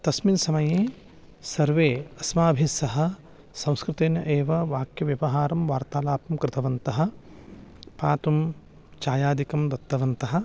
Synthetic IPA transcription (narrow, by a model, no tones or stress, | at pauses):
t̪ɐsminsɐmɐjeː | sɐɾʋeːɐsmaːbʱisɐɦɐ̆ | sɐ̃w̃skɾɪt̪eːnjɐʔeːʋɐʋaːkjɐʋjɐʋɐɦaːɾɐmʋaːɾt̪aːlaːpɐmkɾɪt̪ʰɐʋɐnt̪ɐɦɐ̆ | paːt̪um | t͡ʃaːjaːd̪ikɐmd̪ɐt̪ːɐʋɐnt̪ɐɦɐ̆